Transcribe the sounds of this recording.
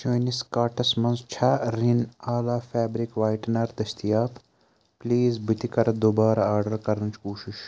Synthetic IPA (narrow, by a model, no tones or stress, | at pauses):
t͡ʃɐːniskaːʈɐsmɐ̃nzt͡ʃʰɐɾinaːlaːfɛːbɾikʋaːjʈnɐɾd̪ɐst̪ijaːp | pliːzbit̪ikɐɾɐd̪oːbaːɾaaːɾɖɐɾkɐɾɐnt͡ʃkuːʃiʃ